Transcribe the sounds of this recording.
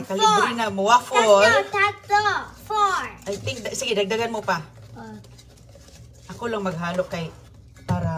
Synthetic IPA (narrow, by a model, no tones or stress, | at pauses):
kaliɡɾinamʊwafoltat̪ofajt̪ɪŋ̚dasiɡidaɡ̚daɡanmʊpa | ʔakʊlaŋmaɡ̚ɦaːlʊkːaj | paɾa